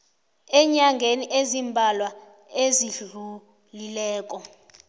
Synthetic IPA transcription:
ɛɲaŋɡʱeniʔezimbʱalwa | eziɮu | lilɛːkʼɔ

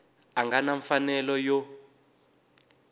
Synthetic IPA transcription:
aŋɡanaɱfanɛlɔjɔ

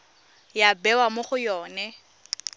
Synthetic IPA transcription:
jabɛwamoχʊjɔːnɛ

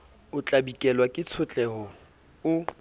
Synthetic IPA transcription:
ʊt͡ɬʼabikʼɛlwakʼɪt͡sʰʊt͡ɬʼɛɦɔ | ʊ

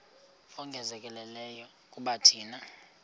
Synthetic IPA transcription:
ɔŋɡʱɛzɛkʼɛlɛlɛjɔ | kʼuɓatʰiːna

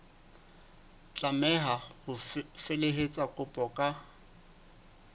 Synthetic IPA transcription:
t͡ɬʼamɛɦahʊfeleɦet͡sʼakʼʊpʼɔkʼa

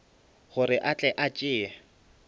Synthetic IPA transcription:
ɣʊɾɪʔat͡ɬʼɛʔat͡ʃʼɪːa

